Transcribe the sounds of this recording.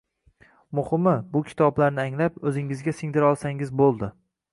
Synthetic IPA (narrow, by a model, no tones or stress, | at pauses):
mʊhɪmɪbʊkʲʰɪ̥t̪ʰɒblaɾnɪaŋlapɵzɪŋɪzɡʲasɪŋd̪ɪɾɒlˠsaŋɪzbolˠd̪ɪ